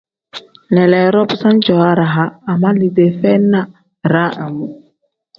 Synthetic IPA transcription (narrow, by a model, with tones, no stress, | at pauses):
lɛ˨lɛ˨ɾɔ˦psa˦nd͡ʒɔ˨a˦ɾa˨ɦaː˦˨ma˦li˨de˨fɛ˦na˦ | ɾa˦ʔa˨mu˦